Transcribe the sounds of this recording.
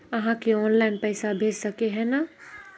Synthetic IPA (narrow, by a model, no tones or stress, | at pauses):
ɐɦãkeɔːnlaːɪnpɛːsabʱeːd͡ʒsɐkeɦɛːnaː